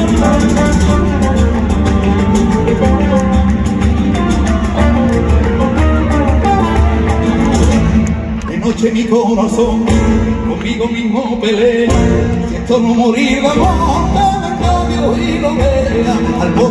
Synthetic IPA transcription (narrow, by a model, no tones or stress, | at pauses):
enot͡ʃemikoɾaθoŋkommiɣomĩɦmopeleset̪onomoɾiβamoot̪aβakaβioiloβeɣaalβo